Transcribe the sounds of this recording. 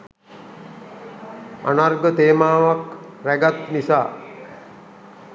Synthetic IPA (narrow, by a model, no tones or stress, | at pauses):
a̰narɡət̪eːmaːʋakɾæɡat̪nisaː